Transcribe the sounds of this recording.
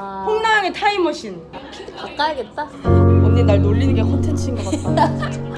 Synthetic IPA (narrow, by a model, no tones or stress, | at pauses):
pʰoŋnaːŋetʰaimʌɕʰinʰ | ikak̚k͈ajaɡet̚t͈amonnenːaɭnoɭːinɯnŋɡe̞kʰontʰent͡ɕʰime